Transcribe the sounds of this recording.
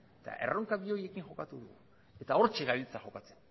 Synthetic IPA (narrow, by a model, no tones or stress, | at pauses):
et̪a̰ʔe̞̰ro̞ŋkaβio̞je̞kiŋʝo̞kat̪uðuɣu | e̞t̪ao̞ɾt͡ʃe̞ɣaβilt͡saxo̞kat͡se̞̥n